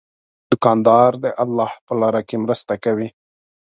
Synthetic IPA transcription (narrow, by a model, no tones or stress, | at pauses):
d̪̥ʊkɑnd̪ɑɾd̪əʔalːɑhpəlɑɾakemɾəst̪akawi